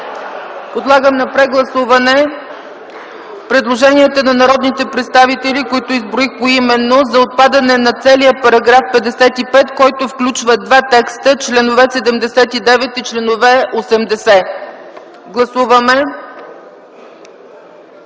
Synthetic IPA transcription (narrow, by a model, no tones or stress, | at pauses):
pod̪lˠaɡəmnɐpɾɛɡlˠɐsuvɐnɛ | pɾɛd̪lˠoʒɛniɛt̪ənɐnɐɾɔd̪nit̪ɛpɾɛt̪st̪avit̪ɛlikoit̪oizbɾoixpoimɛnːozɐot̪̚pad̪ɐnɛnɐt̪sɛlijəpɐɾɐɡɾafpɛd̪ɛsɛt̪ipɛt̪kɔjt̪ofklʲut͡ʃvəd̪vat̪ɛkst̪ət͡ʃlɛnovɛsɛd̪ɛmd̪ɛsɛt̪id̪ɛvɛt̪it͡ʃlɛnovɛosɛmd̪ɛsɛ | ɡlˠɐsuvɐmɛ